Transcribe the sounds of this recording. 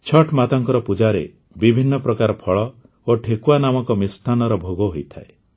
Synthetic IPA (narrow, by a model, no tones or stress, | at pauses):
t͡ʃʰɔʈʰmat̪aŋkɔɾɔpud͡ʒaɾḛ | bibʱinːɔpɾɔkaɾɔpʰɔɭɔ | oʈʰekuanamɔkɔmist̪ʰanɔɾɔbʱoɡɔɦojt̪ʰae